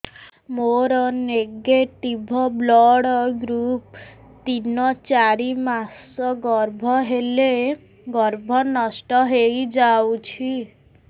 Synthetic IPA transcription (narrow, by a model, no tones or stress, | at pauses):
moɾɔneɡeʈibʱɔblɔɽɔɡɾup̚ | t̪inɔt͡ʃaɾimasɔɡɔɾbʱɔɦele | ɡɔɾbʱɔnɔsʈɔɦejd͡ʒawt͡ʃʰi